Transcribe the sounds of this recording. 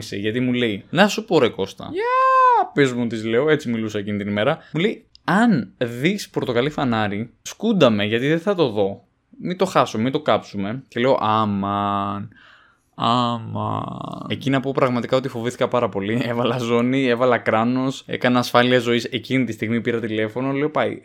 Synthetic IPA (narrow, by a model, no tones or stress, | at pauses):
isḛʝɐt̪imuleinɐsupoɾeko̞st̪ɐ̰ɐpezmut̪izle̞oe̞t͡similusɐcinit̪inime̞ɾɐmule̞i | ɐnðispɾot̪o̞kɐlifɐnɐɾiskund̪ɐme̞ʝɐt̪iðeθɐt̪o̞ðo̞ | mit̪o̞xɐsumemit̪o̞kɐpsume̞ce̞le̞o̞̰ʔɐmɐn | ɐmɐ̰e̞cinɐpo̞pɾɐɣmɐt̪ikɐo̞t̪ifo̞viθi̥kɐpɐɾɐpo̞lie̞vɐlɐzo̞nie̞vɐlɐkɾɐno̞sḛkɐnɐːsfɐliɐzo̞ise̞cinit̪ist̪iɣmipiɾɐt̪ile̞fo̞no̞le̞opɐḭ